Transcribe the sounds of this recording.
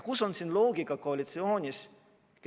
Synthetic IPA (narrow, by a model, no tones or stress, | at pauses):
kusonsinloːɡikɑkoɑlʲit̪sioːnʲis | k